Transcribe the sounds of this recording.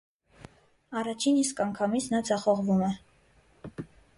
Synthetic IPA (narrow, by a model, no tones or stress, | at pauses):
ɑrɑt͡ʃʰiniskɑŋkʰɑmit͡sʰnɑd͡zɑχɔʁvumɛ